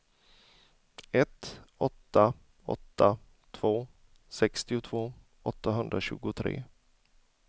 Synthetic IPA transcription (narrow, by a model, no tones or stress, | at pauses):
ɛt̪ɔ̰t̪ːa | ɔ̰t̪ːa | t̪ʰv̥oː | sɛkst̪ɪʊt̪ʰvoː | ɔt̪ːaɦɵnd̪ɾaɕʉ̟̰ːɡʊt̪ʰɾḛː